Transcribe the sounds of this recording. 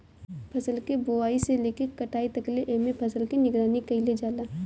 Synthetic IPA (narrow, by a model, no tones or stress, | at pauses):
pʰɐsəlkeboaːiseleːkekːɐʈʰaːit̪ɐkleʔeːmẽpʰɐsəlkinɪɡɾaːnikɐiled͡ʒaːlaː